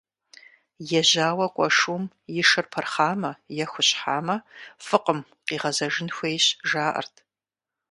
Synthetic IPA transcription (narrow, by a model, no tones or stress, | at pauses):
jɛʑaːwɐkʷʼɔʂum | jɪʂɨrpʰɐrχaːmɐjɛxʷʊɕħaːmɐfɨqəm | qiːʁɐzɐʒɪnxʷejɕʒaːʔɐ̰rtʰ